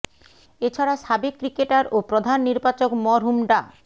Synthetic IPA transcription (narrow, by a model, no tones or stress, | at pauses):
et͡ɕʰaɾaʃabekːɾikeʈaɾopɾod̪ʱanːiɾbat͡ɕokmɔɾɦumɖa